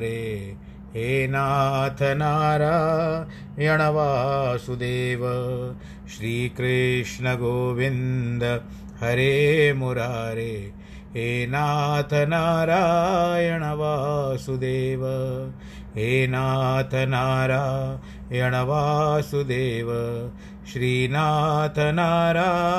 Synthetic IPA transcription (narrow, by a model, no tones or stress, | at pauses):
ɾeː | ɦeːnaːt̪ʰɐnaːɾaː | jɐɳɐʋaːsud̪eːʋɐ | ʃɾiːkɾɪʂɳɐɡoːʋind̪ɐ | hɐɾeːmuɾaːɾeː | ɦeːnaːt̪ʰɐnaːɾaːjɐɳɐʋaːsud̪eːʋɐ | ɦeːnaːt̪ʰɐnaːɾaː | jɐɳɐʋaːsud̪eːʋɐ | ʃɾiːnaːt̪ɐnaːɾaː